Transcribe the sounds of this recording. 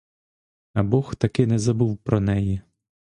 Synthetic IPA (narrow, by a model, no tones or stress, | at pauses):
ɐbɔxt̪ɐkɪnɛzɐbuwpɾɔnɛji